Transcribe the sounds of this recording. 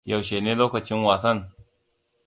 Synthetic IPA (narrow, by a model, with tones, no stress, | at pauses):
ja˨wʃe˨neː˦loː˦kɐ˨t͡ʃɪ˦nwaː˨sɐ˦n